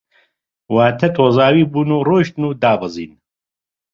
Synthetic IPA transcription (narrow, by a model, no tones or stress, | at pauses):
waːt̪ʰɛt̪ʰoːzaːwiːbuːnuːroːʃt̪nuːd̪aːbɨzḭːn